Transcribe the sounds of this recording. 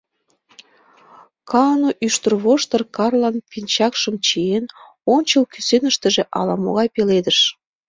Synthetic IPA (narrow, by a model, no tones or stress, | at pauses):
kʰɑnoʔyʃt̪ərβoʃt̪ərkɑrlɑnpint͡ɕɑkʃəmt͡ɕien | onʲt͡ɕəlkysenəʃt̪ə̆ʒeʔɑ̰lɑmo̰ɣɑjpeled̪əʃ